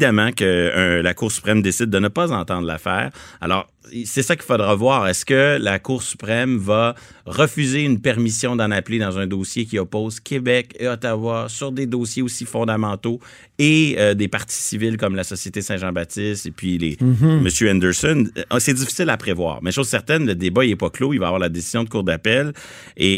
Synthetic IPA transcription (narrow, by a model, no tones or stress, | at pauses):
d̪amɑ̃kəə̃lakuːʁsy̥pχɛmd̪esɪd̪̚ːənəpazɑ̃t̪ɑ̃d̪ʁla̰fɛ̰ːʁa̰lɔ̰ːʁ | sɛsakʲi̥fod̪ʁavwaːʁɛskəlakuːʁsy̥pχɛmvaʁəfyzeynpɛʁmisjɔ̃d̪ɑ̃napled̪ɑ̃zɛ̃d̪oːsjekʲiɔpɔːzkʲʰebɛkeɔt̪avwasyʁd̪ed̪oːsjeosifɔ̃d̪amɑ̃t̪o | eəd̪epaʁt̪i̥sivɪlk̬ɔmlasɔsjet̪esɛ̃ʒɑ̃bat̪ɪst̪epɥilḛməsjøɛ̃nd̪ɛʁsɔnsɛd͡zifi̥sɪlapχevwa̰ːʁmɛʃozsɛʁt̪ɛnləd̪ebaɛpakloilvavwaʁlad̪esizjɔ̃d̪əkuʁd̪apɛl | e